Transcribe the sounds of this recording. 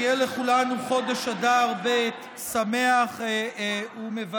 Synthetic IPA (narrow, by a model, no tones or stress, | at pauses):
jɛleχulanuχo̞d̪eʃad̪aʁbet | same̞aχ | umeva